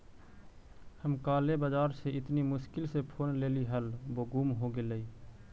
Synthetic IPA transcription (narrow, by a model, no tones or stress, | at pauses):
həmkaːlebəd͡ʒaːɾseʔɪt̪nimʊʃkɪlsepʰoːnleːliɦəlboɡuːmɦoɡeləi